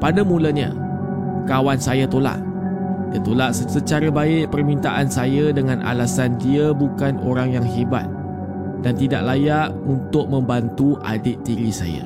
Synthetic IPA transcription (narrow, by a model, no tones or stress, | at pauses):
padamũlaɲã̰ | kawansajat̪ola̰ʔ | diat̪olaʔsəsət͡ʃaɾabaɪʔ̚pərmĩnt̪aʔansajədəŋãnʔa̰lasandiəbukano̰ɾaŋjaŋɦeba̰t̪̚ | dant̪ida̰ʔ̚lajaʔ̚unt̪ʊk̚mə̃mbant̪uʔa̰dɪt̪ːiɾisa̰ja̰